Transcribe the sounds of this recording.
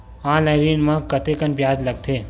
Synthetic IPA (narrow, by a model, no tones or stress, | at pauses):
ãːlaɪɾinmãkɐt̪ekənpjaːd͡ʒlɐɡt̪ʰeː